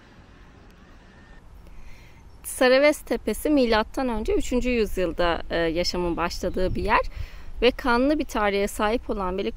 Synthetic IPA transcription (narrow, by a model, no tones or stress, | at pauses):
t̪ʰsaɾavɛst̪ʰe̞pe̞similʲat̪ʰːanø̞nd͡ʒɛyt͡ʃʰynd͡ʒyjyzjɯlˠd̪ajaʃamɯnbaʃlˠad̪ɯːbijæɾ̥vɛkʰanlˠɯbit̪ʰaɾijɛsaːɦipʰo̞lˠanbelʲik